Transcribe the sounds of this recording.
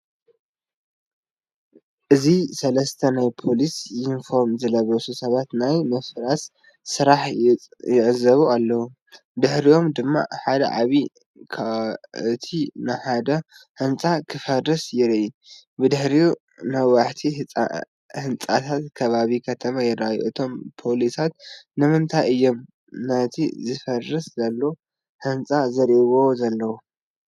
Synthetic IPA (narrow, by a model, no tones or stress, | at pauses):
ʔɨzisɐlɐst̪ʰɐnajpʰo̞lisinfoɾmzɨlɐβɾɐsusɐβat̪najmɐfɾas | sɨɾaħjɪʕɨzɐβualːɐwu | d̪ɨħɾio̞md̪ɨmːa̰ħad̪ɐ̰ʕa̰βi | kʰaɨt̪ʰinɨħad̪ɐhɨnt͡sʼakʰɨfɐrːɨsjɪɾɨʔibɨd̪ɨħɾiu | mɐwaħt̪ʰiɨ̰ | hɨnt͡sʼat̪ʰat̪kʰɐβaβikʰɐt̪ʰɐmajɪɾajuʔɨt̪ʰo̞mpʰo̞lisat̪̚nɨmɨnt̪ʰajɨjːom | nɐt̪ʰḭzɨfɐrːɨszɐlːo̞ | ħɨnt͡sʼazɐɾiβozɐlːɐwu